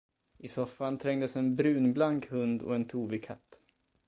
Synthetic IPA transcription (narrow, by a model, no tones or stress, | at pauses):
ʔɪsɔfːant̪ʰɾɛŋd̪əsɛnbɾʉ̟ːnblaŋkhɵnd̪ɔ̰ɛnt̪ʰuːbɪkʰa̰t̪ː